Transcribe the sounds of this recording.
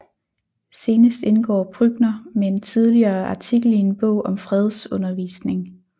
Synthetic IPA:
se̝ːnəsd̥e̝nɡ̥ɒ̰ːpʰʁyɡ̥nɐmeent͡sʰið̞ˠliɐːɑ̈t͡sʰiɡ̥l̩ie̝nb̥ɔ̰̽ʊ̰ʔɒ̽mfʁɛð̞ˠsɔ̽nɐʋḭːsne̝ŋ

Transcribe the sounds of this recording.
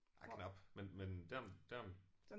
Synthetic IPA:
akʰnɑb̥menmend̥æɐmd̥æɐ

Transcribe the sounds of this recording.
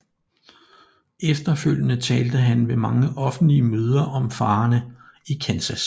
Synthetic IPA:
efd̥ɐføl̰jənət͡sʰɛːld̥əɦænʋemɑ̈ŋəʔɒ̽fn̩dliəmøːð̞ˠɐʔɒ̽mfɑ̈ːnə | ikʰænsæs

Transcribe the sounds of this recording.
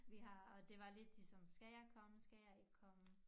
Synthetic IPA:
ʋiɦɑ̈ɒ̽d̥e̝ʋɑ̈le̝d̥d̥isɒ̽msɡ̥æjɑɪkʰɒ̽məsɡ̥æjɑ̈ɪe̝ɡɡ̥kʰɒ̽mə

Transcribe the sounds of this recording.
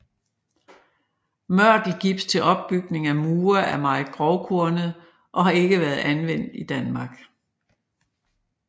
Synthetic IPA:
mɶɐ̰d̥l̩ɡ̥ib̥st͡sʰe̝lʔɒ̽b̥ːyɡ̥ne̝ŋæmuːɐʔæɐmɑ̈ɪðˠɡ̥ʁɒʊkʰuɐnəð̩ˠ | ʔɒ̽ɦɑ̈e̝ɡ̥əʋæːɐð̩ˠænʋen̰d̥id̥ænmɑ̈ːɡ̥

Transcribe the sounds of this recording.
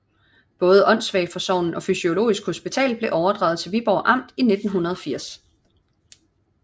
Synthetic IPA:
b̥ɔ̽ːð̞̩ˠəʔɒ̽n̰sʋɛɪfɒ̽sɒʊ̰nn̩ʔɒ̽fysio̝lo̝̰ːisɡ̥ho̝sb̥it͡sʰɛ̰ːlb̥le̝ʔɒʊɐd̥ʁɑ̈ʊð̩ˠt͡sʰe̝lʋib̥ɒʊ̰ʔɑ̈m̰d̥ine̝d̥n̩ɦunɐð̞ˠɒ̽fiɐ̰s

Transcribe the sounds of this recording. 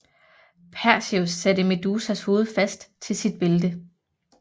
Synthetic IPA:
pʰæɐ̰siosːæd̥əmed̥uːsæsho̝ːð̞̩ˠfæsd̥t͡sʰe̝lsid̥̚b̥e̝ləd̥ə

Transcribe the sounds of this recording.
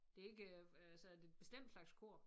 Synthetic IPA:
d̥e̝æe̝ɡ̥əsɒðd̥edb̥e̝sd̥em̰d̥slɑ̈ɡ̥skʰo̝ɐ̰

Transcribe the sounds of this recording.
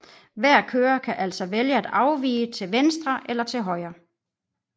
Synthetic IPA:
ʋæɐ̰kʰøːɐkʰæʔæl̰sɒʋeljəæd̥ɑ̈ʊʋḭːət͡sʰe̝lʋensd̥ʁɐʔelɐt͡sʰe̝lɦɒ̽ɪ̰ɐ

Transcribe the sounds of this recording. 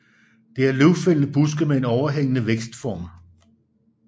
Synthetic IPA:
d̥e̝æɐleʊfel̰n̩b̥usɡ̥əmee̝nɒʊɐɦeŋ̰ənəʋeɡ̥sd̥fɒːm

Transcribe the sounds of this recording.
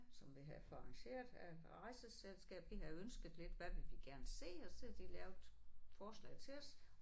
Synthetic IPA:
sɒ̽mʋiɦæfɒɑ̈ŋɕe̝̰ːɐðˠæʁɑ̈ɪsəselsɡ̥ɛ̰ːb̥ʋiɦɑ̈ønsɡ̥ð̩ˠle̝d̥ʋæʋe̝lʋiɡ̥æɐnəse̝̰ːɒseæd̥ilɛːʊd̥fɒːslɛ̰ɪt͡sʰe̝lɒs

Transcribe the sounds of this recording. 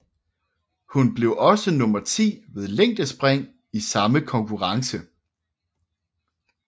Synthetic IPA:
hunb̥le̝ʊʔɒ̽sənɔ̽mɐt͡sʰḭːʋe̝ð̞ˠleŋ̰d̥əsb̥ʁeŋ̰ | isɑ̈məkʰɒ̽ŋkʰuʁɑ̈ŋsə

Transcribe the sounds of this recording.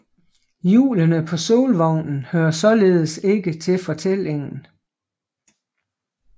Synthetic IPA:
jṵːlənəpʰɒ̽so̝ːlʋɒʊnn̩høːɐsɒ̽le̝ːð̞ˠəse̝ɡ̥ət͡sʰe̝fɒ̽t͡sʰel̰e̝ŋn̩

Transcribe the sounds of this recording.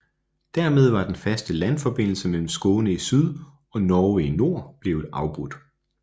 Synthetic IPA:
d̥æɐ̰með̞ˠʋɑ̈d̥enfæsd̥əlænfɒ̽b̥e̝n̰l̩səmel̰m̩sɡ̥ɔːnəisyð̞ˠ | ɒ̽nɒːʋeno̝ɐ̰b̥le̝ːʊɑ̈ʊb̥ʁud̥

